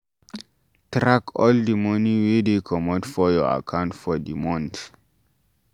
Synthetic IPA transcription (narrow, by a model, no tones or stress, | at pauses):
tɾakʰɔldimɔnĩwedekʰɔmɔ̃dfɔjɔa̰kʰãw̃ntfɔdimɔ̃nt̪